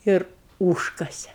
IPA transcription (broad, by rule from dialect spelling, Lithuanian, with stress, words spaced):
ˈɪr ˈuːʃkɐsʲɛ